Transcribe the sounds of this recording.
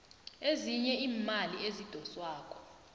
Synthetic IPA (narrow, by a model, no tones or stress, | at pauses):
eziɲɛiːmaliezid̥ʱɔswaːkʰʼɔ̥